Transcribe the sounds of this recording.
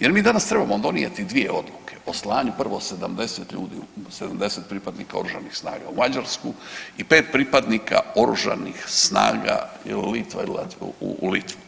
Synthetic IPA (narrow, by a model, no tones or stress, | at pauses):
je̞ɾmiːd̪anast̪ɾe̞bamod̪o̞nija̰t̪id̪ʋije̞o̞d̪lˠuke̞o̞slˠaːɲupr̩ʋo̞sed̪amd̪e̞set̪ʎṵːd̪ḭsed̪amd̪e̞set̪̚pɾiːpad̪nikao̞̰ɾuʒanixsna̰ːɡaumad͡ʑaɾskuipeːt̪̚pɾipad̪nika̰o̞ɾuʒa̰nixsna̰ːɡa̰illit̪ʋa̰ila̰t̪ulit̪ʋu